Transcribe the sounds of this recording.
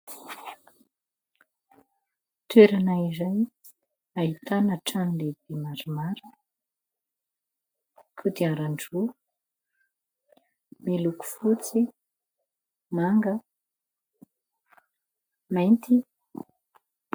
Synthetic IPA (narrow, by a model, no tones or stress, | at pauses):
t̪weɾanaizaj | aɦit̪anəʈ͡ʂanlebemaɾimaɾə | kʰud̪iaɾaɳɖ͡ʐu | meluku̥fut͡si | maŋɡə | majnt̪i